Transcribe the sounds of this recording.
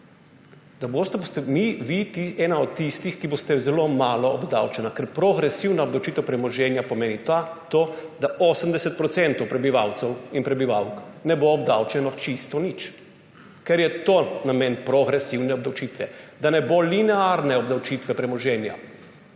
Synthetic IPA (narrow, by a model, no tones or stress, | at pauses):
d̪̥aboːst̪ɛbost̪ɛmiʋit̪iɛːnaɔt̪t̪ːist̪ixkibost̪ɛzɛlomaːlɔːbd̪awt͡ʃɛnakɛɾpɾoɡɾɛsiwnaɔbd̪awt͡ʃiːt̪ɛwpɾɛmɔʒɛːnjapɔmeːnit̪at̪oːd̪aosəmd̪ɛsɛt̪̚pɾɔt̪sɛnt̪ɔwpɾɛbiʋawt̪sɛwinpɾɛbiʋawknɛboːbd̪a̰wt͡ʃɛnɔt͡ʃist̪ɔnit͡ʃ | kɛɾjɛt̪oːnameːnpɾɔɡɾɛsiwnɛɔbd̪awt͡ʃit̪ʋɛd̪anɛbolinɛaɾnɛɔbd̪awt͡ʃit̪ʋɛpɾɛmɔʒɛːnja̰